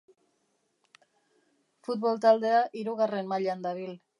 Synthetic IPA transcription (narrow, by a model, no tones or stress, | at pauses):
fut̪βo̞lt̪ald̪e̞aʔiɾuɣ̞are̞nmaʎand̪aβ̞il